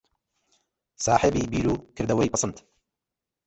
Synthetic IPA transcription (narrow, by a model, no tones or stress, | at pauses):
saːħɪbiːbiːɾuːkɨɾd̪ɐwɐjpɨsˤɨnt̪